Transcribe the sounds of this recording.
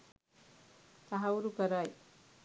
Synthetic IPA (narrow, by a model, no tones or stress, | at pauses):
t̪aɦawɾukaɾaj